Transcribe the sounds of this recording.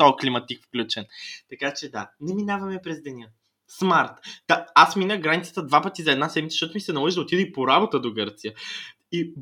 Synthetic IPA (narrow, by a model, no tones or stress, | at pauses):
t̪ɔklimɐt̪ikfklʲut͡ʃɛnt̪ɐkat͡ʃɛd̪anɛminavɐmɛpɾɛzd̪ɛnʲjə | smaɾt̪d̪̥aasminəɡɾanit̪sə̥t̪əd̪vapət̪izɐɛd̪nasɛd̪mit̪ʃt̪ɔt̪ʊmisɛnɐmˠɔziʒd̪ot̪id̪əipoɾabot̪əd̪oɡɤɾt̪sijə | i